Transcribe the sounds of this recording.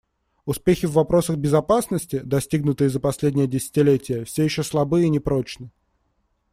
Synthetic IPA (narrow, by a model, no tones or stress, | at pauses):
ʊspʲexʲɪvːɐpɾo̞səɣbʲɪzɐpasnəsʲtʲɪd̪ɐsʲtʲiɡnʊt̪ɨjɪzəpɐsʲlʲedʲnʲɪjədʲɪsʲɪ̥tʲɪlʲetʲɪjəfsʲejɪɕːoslˠɐbɨinʲɪpɾot͡ɕnɨ